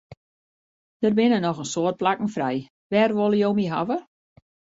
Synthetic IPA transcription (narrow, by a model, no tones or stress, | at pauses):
d̥ərbɪnənɔxənsoərt̚plakn̩frɛj | ʋɛrʋolˠəjowmiɦavə